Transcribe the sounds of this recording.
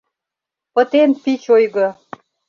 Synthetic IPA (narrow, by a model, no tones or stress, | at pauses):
pə̆t̪enpit͡ɕojɣə